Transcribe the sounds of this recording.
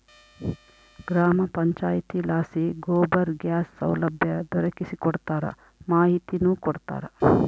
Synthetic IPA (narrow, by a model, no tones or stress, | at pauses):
ɡɾaːmɐpɐɲt͡ʃaːjt̪ilaːsiɡoːbɐɾɡjaːsːɐ̰wlɐbʱjɐd̪ɔɾɐkisikɔɽt̪aːɾɐ̰ | maːɦit̪inuːkɔɽt̪a̰ːɾɐ